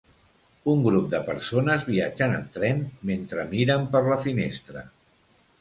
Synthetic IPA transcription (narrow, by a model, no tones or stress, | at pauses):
uŋɡɾup̚d̪əpəɾsonəzβiad͡ʒənə̰lt̪ɾɛnment̪ɾəmiɾəmpəɾləfinest̪ɾə